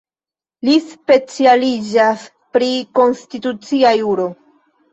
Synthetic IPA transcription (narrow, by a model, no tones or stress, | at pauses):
lispe̞t͡sialid͡ʒas | pɾiko̞nstitut͡siajuɾo̞